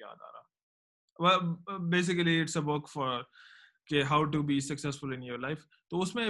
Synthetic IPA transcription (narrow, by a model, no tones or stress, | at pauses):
ja̰ːd̪a̰ːɾa̰ | wɛlbeːs̬ɪkəliɪʈsəbʊkfɔɾ | keɦaʊʈubisɐksɛsfʊlɪ̃njoɾlaɪf | t̪oːʊsmẽ